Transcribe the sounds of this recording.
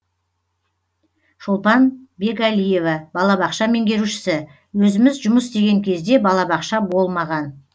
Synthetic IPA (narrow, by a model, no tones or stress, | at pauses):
ʃʊlˠt̪ɑnbe̞ɡalijevɑbɑlˠɑbɑqʃɑme̞ŋɡʲe̞ɾuʃɪ̥sɪ | wɵzɪmɪzʒʊməsd̪e̞ɡʲe̞ŋkʲʰe̞zd̪e̞bɑlˠɑbɑqʃɑbo̞lˠmɑʁɑn